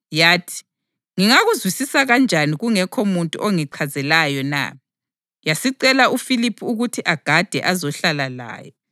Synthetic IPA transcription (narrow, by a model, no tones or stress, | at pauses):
jaːtʰi̥ | ŋiŋaɣuzwisisaɣand͡ʒʱaniɣuŋɛkʰomuntʼṵʔoŋiǀʰazɛlajɔna̰ | jasiǀɛlaufilipʰuuɣutʰiʔaɡ̥ʱad̥ʱɛ̰ʔazɔɬalala̰ːjɔ